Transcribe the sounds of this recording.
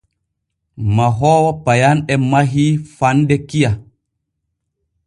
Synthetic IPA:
maɦɔwɔpajanɛmaɦifandɛkija

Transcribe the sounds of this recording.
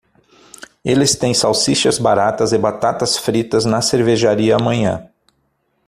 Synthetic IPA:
elɪst̪ẽj̃sawsiʃɐzbaɾat̪ɐzɪbat̪at̪ɐsfɾit̪ɐznɐseɾveʒaɾiɐːmɐ̃ɲɐ̰̃

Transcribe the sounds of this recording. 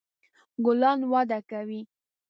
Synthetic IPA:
ɡʊlɑnwɑd̪akawi

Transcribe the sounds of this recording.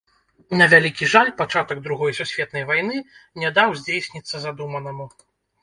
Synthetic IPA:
nɐvʲalʲikʲiʐalʲpat͡ʂat̪ɐɡ̚d̪ɾuɣɔjsusʲvʲɛt̪nɐjvajnɨnʲɛd̪awzʲd͡zʲejsʲnʲit̪sːɐzad̪umɐnɐmu

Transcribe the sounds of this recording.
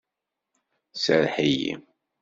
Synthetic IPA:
səɾħijḭ

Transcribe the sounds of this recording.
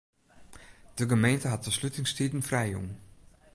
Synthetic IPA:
d̥əɡəmejntəɦɑt̚əslytɪŋstidən̩frɛjjṵŋ

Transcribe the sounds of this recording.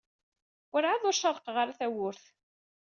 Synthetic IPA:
ʊɾʕaðʊɾʃɑɾˤəqʁəɾaθæwʊɾθ

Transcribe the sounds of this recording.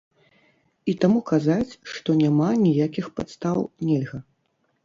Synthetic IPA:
it̪amukazat͡sʲʂt̪ɔnʲamanʲijakʲixpat̪st̪awnʲɛlʲɣɐ

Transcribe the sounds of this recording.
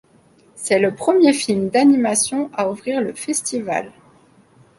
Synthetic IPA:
sɛləpχəmjefilmd̪animasjɔ̃aufχiʁləfɛst̪iva̰l

